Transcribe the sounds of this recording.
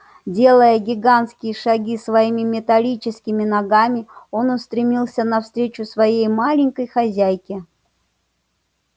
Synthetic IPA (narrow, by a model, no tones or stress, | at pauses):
dʲe̞lˠəjəɡʲɪɡant̪skʲɪjəʂɐɡʲisvɐimʲɪmʲɪt̪ɐlʲit͡ɕɪskʲɪmʲɪnɐɡamʲɪo̞nʊst̪ɾʲɪmʲilˠsʲənɐfst̪ɾʲet͡ɕʊsvɐjejmalʲɪŋʲkəjxɐzʲæjkʲɪ